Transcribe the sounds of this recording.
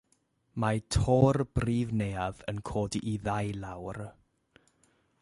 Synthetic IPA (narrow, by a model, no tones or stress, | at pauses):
matʰoːrb̥riːvnejavənkʰoːdiʔːðajlawr